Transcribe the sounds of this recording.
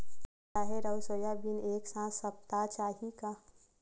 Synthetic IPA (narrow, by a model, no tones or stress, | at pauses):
aɦeɾəʊsoːjabineːksãsəp̚t̪at͡ʃaːɦika